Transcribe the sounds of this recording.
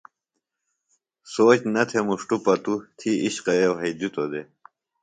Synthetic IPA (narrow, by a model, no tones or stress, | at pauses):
soːt͡ɕnɐt̪ʰemuʂʈupɐt̪ut̪ʰiiɕqɐjewɦɐjd̪it̪od̪e